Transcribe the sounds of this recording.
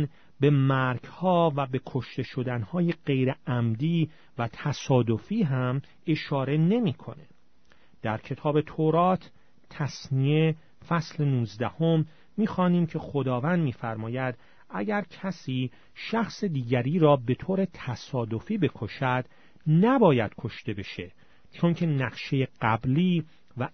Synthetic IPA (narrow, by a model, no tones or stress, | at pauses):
n | be̞mæɾɡhɒːvæbe̞kʰo̞ʃt̪e̞ʃo̞d̪ænhɒːjeɢe̞jɾeæmd̪iː | væt̪ʰæsɒːd̪o̞fiːɦæm | e̞ʃɒːɾe̞ne̞miːkʰo̞̰ne | d̪̥æɾcʰe̞t̪ʰɒːbe̞t̪ʰoɾɒːt̪ʰ | t̪ʰːæsnie | fæslenuːzd̪æhomː | iːxɒːniːmcʰe̞xo̞d̪ɒːvænd̪miːfæɾmɒːjæd̪̥ | ʔæɟæɾcʰæsiː | ʃæxsed̪iːɟæɾiːɾɒːbe̞t̪ʰoːɾe̞t̪ʰæsɒːd̪o̞fiːbe̞kʰo̞ʃæd̪̥ | næbɒːjæd̪̥kʰo̞ʃt̪e̞be̞ʃe̞ | t͡ʃʰoŋcʰe̞næqʃe̞jeɢæbliː | væ